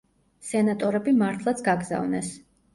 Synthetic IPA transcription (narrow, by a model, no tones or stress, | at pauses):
sɛnat̪ʼɔɾɛbimaɾt̪ʰlˠat̪sʰɡaɡza̰vnɛ̰s